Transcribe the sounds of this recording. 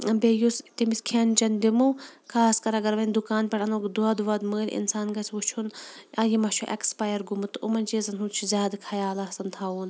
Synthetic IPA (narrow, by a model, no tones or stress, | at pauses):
bʲejust̪imiskʰent͡ʃɐnd̪imukʰaːskɐɾɐɡɐɾʋɐnʲd̪ukaːnpʲɐʈɐnukd̪uɐd̪ʋɐd̪məːlʲʔḭnsaːnɡɐsʰʋut͡ʃʰunɐjimɐt͡ʃʰuʔɐ̰kspajɐɾɡumɨt̪ɨʔumɐnʲt͡ʃeːzɐnɦunt͡ʃʰuzʲaːd̪kʰɐjaːlɐɐsɐnt̪ʰaːuːn